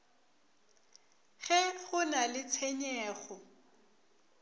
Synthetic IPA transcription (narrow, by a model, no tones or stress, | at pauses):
ɣɛɣʊnalɪt͡sʰɛɲɛːɣɔ